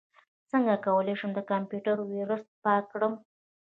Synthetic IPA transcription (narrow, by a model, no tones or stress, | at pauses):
t͡səŋɡakawəleʃəmd̪əkampjuʈaɾwiɾospɑkɽəm